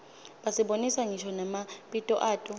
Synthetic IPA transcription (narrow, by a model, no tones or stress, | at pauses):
ɓasiɓonisaŋiʃʰɔnamaɓʼitʼɔʔaːtʼɔ